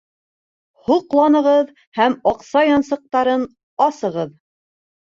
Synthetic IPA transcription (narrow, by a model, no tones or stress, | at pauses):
huqlˠɑnɤ̆ʁɤð | hæmɑqsɑjɑnsɤ̆q̚t̪ɑɾɤn | ɑsɤ̆ʁɤð